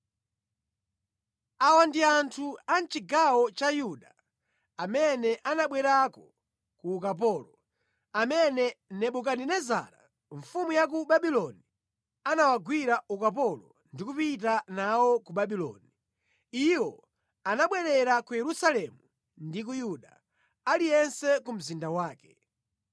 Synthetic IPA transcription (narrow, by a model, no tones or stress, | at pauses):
awandiantʰuant͡ʃiɡawɔt͡ʃajuɗa | amɛnɛʔanaɓwɛɾakɔ | kuːkap̬ɔːlɔ | amɛnɛnɛɓuk̬aninɛza̰ɾa̰ | ɱfumujak̬uɓaɓilɔni | anawaɡwiɾaukapɔlɔ̰ | ndikupit̬anawɔkuɓaɓilɔ̰ni | iwɔ | anaɓwɛɾɛɾakujɛɾusalɛmu | ndik̬ujuɗa̰ | alijɛnsɛkum̩zindawaːkɛ̥